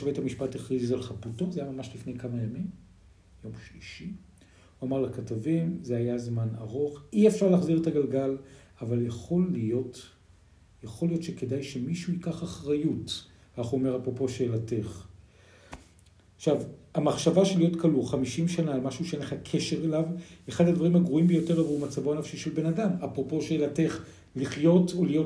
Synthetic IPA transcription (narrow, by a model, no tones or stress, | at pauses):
avethamiʃpateχʁizzalχaputo̞zajamamaʃlifnejkamajamim | jo̞mʃliʃi | uamaʁlakatavimzehajazmana̰ʁo̞χiefʃaʁlaːχziʁethaɡalɡal | avaljaχo̞lijo̞t | jaχo̞lijo̞tʃeke̞dajʃemiʃuikaχaχʁajut | kaχuome̞ʁapʁo̞po̞ʃeelate̞χ | χʃavamaχʃavaʃelijo̞tkʰaluχamiʃimʃanaːlmaʃuʃeenleχakʰe̞ʃe̞ʁelaveχadadvaʁimhaɡʁuimbejo̞teʁavlumat͡savoanafʃiʃelbe̞nadamapʁo̞po̞ʃeelate̞χ | liχjo̞tolijo̞